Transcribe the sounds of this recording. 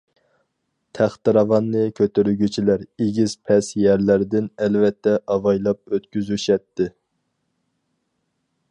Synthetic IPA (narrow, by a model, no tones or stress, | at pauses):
t̪ʰæχt̪ɨɾɑvɑnːɨkʲʰøt̪eɾyɡʲyt͡ʃʰilæɾeɡʲiz̥pʰɛsjɛɾlæɾd̪ɪnɛlvɛt̪ʰːɛʔɑvɑjlˠɑp̚øt̪kʲyzyʃɛt̪ʰːɪ